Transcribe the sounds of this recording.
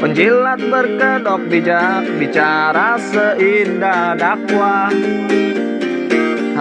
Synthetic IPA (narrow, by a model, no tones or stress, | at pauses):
pəɲd͡ʒilat̪̚bərkədɔk̚biabit͡ʃaɾasəindadakwa